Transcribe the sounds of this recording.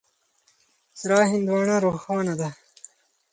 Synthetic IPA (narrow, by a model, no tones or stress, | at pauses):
sɾɑːɦind̪wɑːnaɾoxɑːnɐd̪a